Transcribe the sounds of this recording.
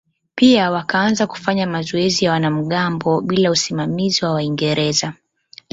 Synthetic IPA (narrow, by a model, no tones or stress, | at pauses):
piawakaanzaku̥faɲamazɔɛzijawanam̩ɠambɔɓilausimamiziwawaiŋɡɛɾɛza